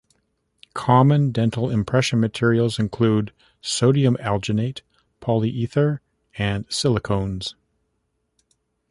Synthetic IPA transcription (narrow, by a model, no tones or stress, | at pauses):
kʰɑmɨ̃ndɛ̃ntʰˡl̩ˠɪ̃mpʰɹ̥ɛʃɨ̃nmɨtʰɪɹil̩ˠzɨ̃nkʰl̥ud | soʊɾiɨ̃mɛlˠd͡ʒɨneɪt | pʰɑlˠiʔiθə˞ | ɨ̃nsɪlˠəkʰõʊ̃nz̥